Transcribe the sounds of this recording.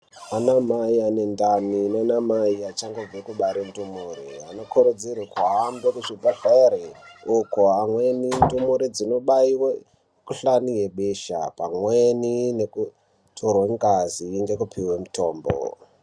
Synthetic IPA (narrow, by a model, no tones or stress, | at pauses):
anamaiane̞ndaminanamaiat͡ʃaŋɡo̞b͡vekuɓaɾendumuːɾia̰nokʰoɾed͡zirikuɦambekut͡ʃibʱaɮaeɾeokoamwenindumuɾid͡zino̞ɓaiwe | kuɬanije̞ɓeʃa̰pamwenineku | tʰorweŋɡaziːŋɡe̞kupiwemutʰo̞ːmbo̰